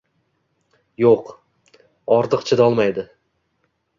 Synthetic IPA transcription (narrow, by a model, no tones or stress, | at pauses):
joq | ɒɾt̪ʰɨqt͡ʃʰɪd̪ɒlˠmajd̪ɪ